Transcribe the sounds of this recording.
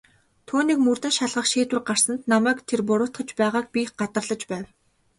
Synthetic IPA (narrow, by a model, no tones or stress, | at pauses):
t̪ʰuːniːkmurt̪ɘ̆ʃaɮʁə̆χʃeːt̪wɘ̆rɢar̥sə̆nt̪namæːkt̪ʰerpʊɾʊːt̪χə̆t͡ɕpæːʁaːk̚pʲiːχɢat̪ə̆rɮə̆t͡ɕpæːw